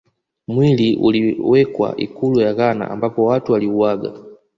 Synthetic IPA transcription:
mwiliʔṵliwɛkwa̰ʔḭkulujakana̰a̰mbapɔwatuwaliuwaɡa̰

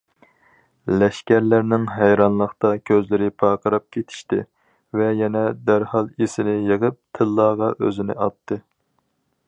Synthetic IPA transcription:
lɛʃkʲæɾlæɾnɪŋɦæjɾɑnlˠəχt̪ɑkʲʰøzlɪɾɪpʰɑːqʰəɾɑp̚kʲʰet̪ʰɪ̥ʃt̪ɪ̰ | vɛjɛnɛd̪æɾhɑlˠisɪnɪjeʁəp̚t̪ʰɨlˠːɑːʁɑʔø̰zɪnɪ̰ʔɑt̪ʰːɨ

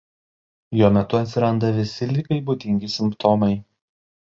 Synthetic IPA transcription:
joːmʲɛt̪ʊɐt̪ʲsʲɪɾɐnd̪ɐʋʲɪsʲɪlʲɪkɐɪbuːd̪ʲɪŋʲɡʲɪsʲɪmpt̪ɔmɐɪ

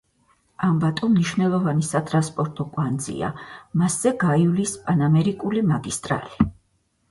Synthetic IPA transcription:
ambat̪ʼumniʃvnɛlˠɔvanisat̪ʼɾanspʼɔɾt̪ʼɔkʼwand̪zḭa̰masːɛɡaiulispʼanamɛɾikʼulimaɡist̪ʼɾa̰li

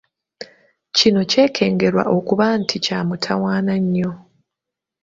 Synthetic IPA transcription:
cino̞ce̞ːkʰe̞ːŋɡe̞ɾwa̰ʔo̞kuβantʰicaːmutʰawaːnaɲːo̞

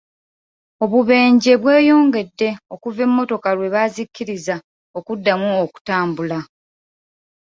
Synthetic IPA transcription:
o̞βuβe̞ːɲɟe̞βwe̞ːjo̞ːŋɡe̞dːe̞o̞kuve̞mːo̞to̞kalwe̞βazikːiɾiza | o̞kudːamuoku̥taːmbula

